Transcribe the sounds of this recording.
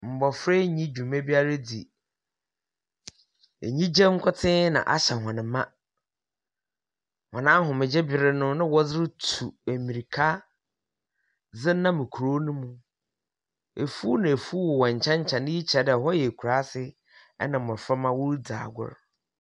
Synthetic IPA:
m̩˨bɔ˨fɾe˦ɲĩ˦d͡ʑᶣũ˨mã˦bi˦a˦ɾe˦di˨ | ḛ˨ɲĩ˦d͡ʑɛ̃˦ŋ̩˦kʰʊ˦tʰɪ̃˦nã̰˨ʔa̰˦ɕɛ˨hɔ̃˨nɪ̃˨mã˦ | hɔ̃˨nã˦ɦʊ̃˨mɪ̃˨d͡ʑɛ˦bɪ˨ɾɪ˦nʊ̃˦nɪ̃˦wɔ˦d͡zɪ˦ɾɪ˦tʰu˨æ˨mĩ˨ɾi˨kʰa˦ | d͡zɪ˦nã˦mɪ̃˨kʰu˨ɾo˦nũ˦mũ˨ | e˨fu˦nã˨e˨fu˦wɔ˨wɔ˨ɲ˨t͡ɕʰɛ̃˦ɲ˦t͡ɕʰɛ̃˨nɪ̃˦ji˦t͡ɕʰɛ˨dɛ˨ɦɔ˦jɛ˨kʰu˨ɾa˦sɪ˦ | ɛ̰˦nã˨m̩˨ɔ˨fɛ˦mã˦wʊ˦ɾda̰ː˨ɡʊ̰˦ɾ

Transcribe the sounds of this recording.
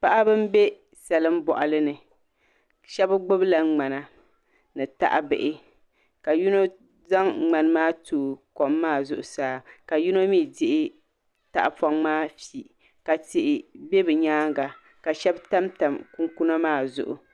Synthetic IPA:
pa˦ʔa˦bɨ˦m˦be˦ | sa˨lɨ˦m˦bɔ̰˨ʔa˨lɨ˦nɨ˨ | ʃɛ˦bɡ͡bʊ˦bla˨ŋ͡ma˨na˨ | nɨ˨ta̰˦ʔa̰˦bɨ̰˨ʔɪ˦ | ka˨ju˦no˦ | za˦ŋŋ͡ma˨n˦maː˦tuː˨ko˨mːaː˦zʊ˨ʔʊ˨saː˦ka˨ju˦no˦miː˦dɪ˦ʔɪ˦ | ta̰˨ʔa˨pa˦ŋmaː˦fi˨ | ka˨tɪ˨ʔɪ˨be˦bɨ˨ɲaː˦ŋɡa˨ | ka˨ʃɛ˦bta˦mta˨mku˦ŋku˦na˦maː˦˨zʊ̰˨ʔʊ̰˨

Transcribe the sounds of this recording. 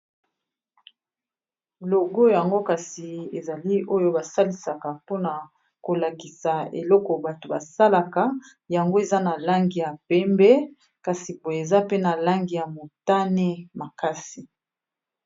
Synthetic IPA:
lo˨ɡo˦ja˨ŋɡo˦ka˨si˨e˨za˨li˦o˦jo˦ba˨sa˦li˨sa˨ka˨po˦na˨ | ko˨la˨ki˨sa˨ḛ˨lɔ˦kɔ˨ba˨to˨ba˨sa˦la˨ka˨˦ | ja˨ŋɡo˦e˨za˦na˨la˦ŋɡi˨ja˨pɛ˦mbɛ˦ | ka˨si˨po˨e˨za˦pe˦na˨la˦ŋɡi˨ja˨mo˨ta˦ne˦ma˨ka˦si˨

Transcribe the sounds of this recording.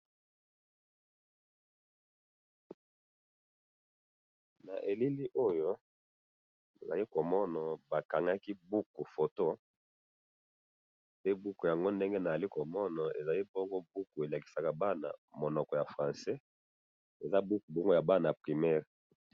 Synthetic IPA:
na̰˨ʔe˨li˦li˦ʔo˦jo˦ | na˨za˨li˦ko˨mɔ˦na˨ba˨ka˨ŋɡa˦ki˦bu˦ku˨fo˨to˦ | pe˦bu˦ku˨ja˨ŋɡo˦nde˦ŋɡe˦na˨a˨li˦ko˨mɔ˦na˨ḛ˨za˨li˦bɔ˦ŋɡo˦bu˦ku˨e˨la˨ki̥˨sa˨ka˨ba˦na̰˨mo˨nɔ˨kɔ˨ja˨fʁã˨sɛ˦ | e˨za˦bu˦ku˨bɔ˦ŋɡo˦ja˨ba˦na˨pʁi˨mɛ˦ʁ

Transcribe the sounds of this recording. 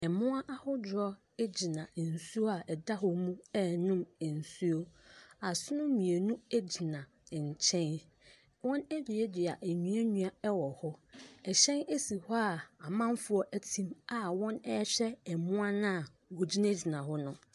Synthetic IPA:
ɛ˨mʊ̃˦ã˦ʔa˦hʊ˦d͡ʑɾɔ˦ | ɛ˦d͡ʑi˨nã˨n̩˨su˦o˦a˨ʔɛ˨da˦ɦʊ˨mũ˦ɛ˦nʊ̃˦m˨n̩˨su˦o˦a˨sʊ˦nʊ̃˦mĩ˨e˨nũ˦e˦d͡ʑi˨nã˨ | ɲ̩˨t͡ɕʰɛ̃˦n | wɔ̃˦næ˦d͡ʑᶣi˨e˦dɪ˨a˨ʔæ˨ɲũ˦a˦ɲũ˨a˨ɛ˦wɔ˨hʊ˦ɛ˨ɕɛ̃˦ne˦si˨hɔ˦a˨a˨mã˦m˦fʊ˨ɔ˦ʔæ˦tʰĩ˦ma˨wɔ̃˦nɛ˦ɕᶣɛ˦ɛ˨mʊ̃˦a˦nã˦a˨ | ɡo˨d͡ʑi˦næ˦d͡ʑi˨nã˨ɦʊ˦nʊ̃˦

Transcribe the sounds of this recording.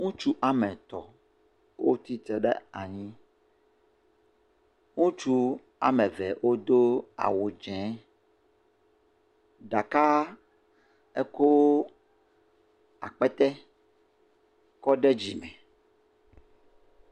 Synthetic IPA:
ŋũ˦t͡ʃu˦ʔa˨mɛ̃˨t̪ɔ˨ | wo˦t̪i˦t̪ɛ˨ɖɛ̰˦a̰˨ɲĩ˦ | ŋũ˦t͡ʃu˦ | a̰˨mɛ̃˨vɛ˨wʔo˦d̪o˦a̰˨wo˨d͡ʒɛ̃˨˦ | ɖa˨ka˦ | ɛ˦ko˦w | a̰˨k͡pɛ˦t̪ɛ˦ | kɔ˦ɖɛ˦d͡ʑi˨mɛ̃˨

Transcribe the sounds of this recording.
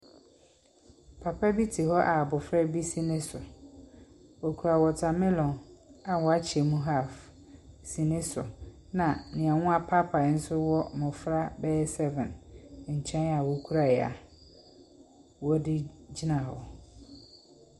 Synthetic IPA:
pʰa˨pʰa˦bi˦tʰi˨ɦɔ˦ʔa˨bʊ˨fɾɛ˦bi˦sĩ˦nɪ̃˦sʊ˨ | ɔ˨kʰu˨ɾa˨wɔ˨tʰa˨mɪ̃˦lɔ̃˨na˨wɔ˨a˦t͡ɕʰɪ˨ɛ˨mũ˦ɦa˦˨f | sĩ˨nɪ̃˦sʊ̰˨ | nã˨nɪ̃˨a˨ŋʊ̃˦a˨pʰa˦pʰa˨n̩˦sʊ˦wɔ˦mʊ̃˨fɾa˦bɛː˦sɛ˦vɛ̃˨nɲ̩˨t͡ɕʰɛ̃˦na˨wɔ˨kʰu˦ɾa˨a̰˨ | wɔ˦dɪ˦d͡ʑi˦nã˨hɔ̰˨

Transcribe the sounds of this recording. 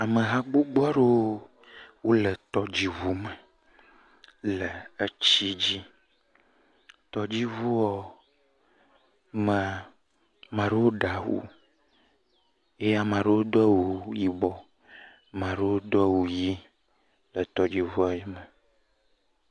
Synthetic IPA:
a˨mə˨ɦa˦ɡ͡bo˦ɡ͡ba˦ɖe˦ | wo˦lə˨t̪ɔ˦d͡ʑi˦vu˦mə˨ | lə˨e˦t͡ɕi˦d͡ʑi˦ | t̪ɔ˨d͡ʑi˦vu˦ɔ˦ | me˨ | mã˨ɖe˦wo˦ɖa˨ɦṵ˦ | e˦ja˨mã˨ɖe˦wo˦d̪ɔ˦wo˨ji˨bɔ˨ | mã˨ɖe˦wo˦d̪o˦wu˨ji˦ | lə˨t̪ɔ˨d͡ʑi˦vu˦a˨jɛ˦mə˨

